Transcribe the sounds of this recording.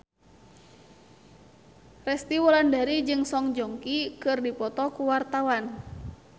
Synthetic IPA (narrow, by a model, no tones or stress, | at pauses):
rɛst̪iwɔlandaɾid͡ʒɨŋsɔŋd͡ʒɔŋkikɨrdipɔt̪ɔkuwart̪awan